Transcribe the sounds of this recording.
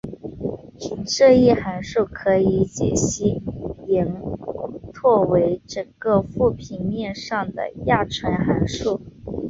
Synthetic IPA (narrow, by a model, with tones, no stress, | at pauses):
t͡ɕʰi˧˩ŋʂɤ˥˧i˥˩xa˧˥nʂu˥˩ʊkʰɤ˧˥i˧˥t͡ɕjɛ̰˨˩ɕi˥˩i˧˥ŋ | t̪ʰwɔ˥˩we˧˥ɪʈ͡ʂɤ˨˩ŋɡə˧fu˥˩pʰi˨˩nmjɛ˥˧nʂɑ˥˩ŋd̪ə̰˩ja˥˩ʈ͡ʂʰwə˧˥nxa˧˥nʂu˥˩